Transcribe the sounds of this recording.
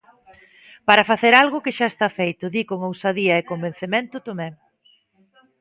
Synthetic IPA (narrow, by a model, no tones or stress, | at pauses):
paɾɐfaθeɾalɣʊkɪʃaest̪afejt̪ʊðikoŋowsaðiɐekomben̟θemẽnt̪ʊt̪omɛ